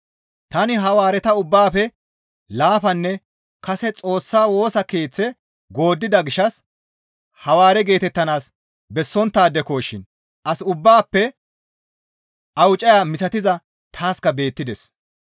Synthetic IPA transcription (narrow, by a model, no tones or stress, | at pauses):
t̪ɐnɪɦɐwaːɾɛt̪ɐʊbːaːfɛ | laːfɐnːɛ | kɐsɛt͡sʼo̞ːsːaːwo̞ːsɐke̞ːt͡sːɛ | ɡo̞ːd̪ːɪd̪ɐɡɪʃːɐs | hɐwaːɾɛɡe̞ːt̪ɛt̪ːɐnaːs | bɛsːɔnt̪ːaːd̪ɛkoːʃːɪn | ʔɐsʊbːaːpːɛ | ʔɐwt͡ʃʼɐjaːmɪsɐt̪ɪzɐ | t̪ʰaːskɐbe̞ːt̪ːɪd̪ɛs